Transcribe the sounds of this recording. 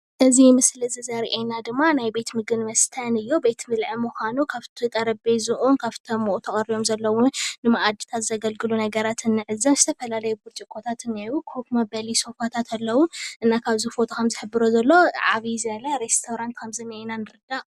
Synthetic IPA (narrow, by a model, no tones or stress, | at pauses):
ʔɨzimɨslɨzɨzɐɾiʔenad̪ɨmːanajbe̞t̪mɨɡɨnmɐst̪ʰɐnɨjːobet̪mɨlʕɨmuxʷanukʰaβt̪ʰit̪ʼɐɾɐbezɨʔunkʰaβt̪ʰomːoʔut̪ʰɐχʼɐɾijo̞mzɐlːɐwʊnnːɨmaʔad̪i̥t̪ʰazɐɡɐlɡɨlunɐɡɐɾat̪ʰɨnːɨʕɨzɐmzɨt̪ʰɐfɐlalɐjɛbuɾt͡ʃʼikʼːot̪ʰat̪ɨnajwukʰhukmɐbɐliso̞fat̪ʰat̪ʰalːɐwʊʔɨnːakʰaβzufo̞t̪ʰokʰɐmzɨħɨbːɨɾozɐlːo̞ʕa̰βizɐlɐɾest̪ʰoɾant̪kʰɐmzɨnːienanɨɾɨd̪a